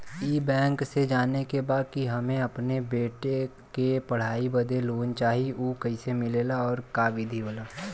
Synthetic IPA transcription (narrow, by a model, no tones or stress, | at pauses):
iːbɛ̃ːŋksed͡ʒaːnekebaːd̪̚kiɦɐmẽɐpnebeːʈe | kepɐɽ̤aːibɐd̪ʱeloːnt͡ʃaːɦiuːkɐɪsemɪleːlaɔːɾkaːʋɪd̪ʱiɦoːlaː